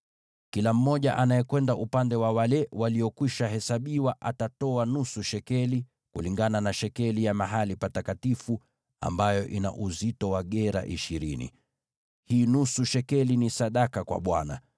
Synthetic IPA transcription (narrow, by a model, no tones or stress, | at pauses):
kilam̩mɔʄaʔanajɛkwɛndaʔupandɛwawalɛwaliɔkwiʃaɦɛsaɓiwaʔatatɔanusuʃɛkɛli | kuliŋɡananaʃɛkɛlijamaɦalipatakatifu | a̰mbajɔʔina̰ʔuzitɔwaɠɛɾa̰ʔiʃiɾinḭ | hiːnusuʃɛkɛlinisaɗakakwa̰ɓwana̰